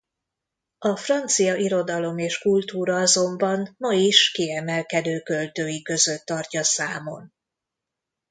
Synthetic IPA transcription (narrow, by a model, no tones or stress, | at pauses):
ɒfrɒnt̪sijɒʔiɾo̞d̪ɒlo̞meːʃkult̪uːɾɒɒzo̞mbɒnmɒiʃkiɛmɛlkɛd̪øːkø̞lt̪øːjikø̞zø̞t̪ːɒrcɒsaːmo̞n